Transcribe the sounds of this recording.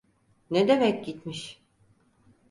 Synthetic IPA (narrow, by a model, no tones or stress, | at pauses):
ned̪emɛc̚ʲɟit̪miʃ